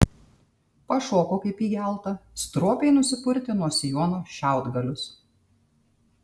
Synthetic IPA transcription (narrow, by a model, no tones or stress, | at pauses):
pɐʃoːkoːkɐɪpiːɡʲæˑlˠt̪ɐst̪ɾoɔpʲeɪnʊsʲɪpʊɾʲt̪ʲɪnuɔsʲɪjoːnoːʃʲæˑʊd̪ɡɐlʲʊs